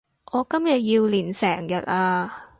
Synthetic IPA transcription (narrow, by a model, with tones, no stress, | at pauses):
ʔɔː˨˧kɐ˥mjɐ˨t̚jiː˧wliː˨˩nsɛː˨˩ŋjɐ˨t̚aː˧